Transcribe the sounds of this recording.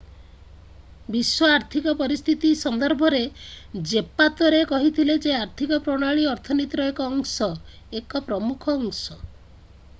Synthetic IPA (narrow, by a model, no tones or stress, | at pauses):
biswɔaɾt̪ʰikɔpɔɾist̪ʰit̪isɔnd̪ɔɾbʱɔɾed͡ʒepat̪ɔɾekɔɦit̪ʰiled͡ʒeaɾt̪ʰikɔpɾɔɽ̃aɭiɔɾt̪ʰɔnit̪ɾɔjɔkɔːŋsɔ | ekɔpɾɔmukʰɔːŋsɔ